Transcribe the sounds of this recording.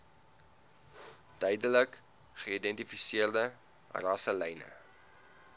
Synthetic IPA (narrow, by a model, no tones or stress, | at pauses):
d̥œɥdələk | χəidɛntifisiərdə̰ | rɐsəlɛjnə̰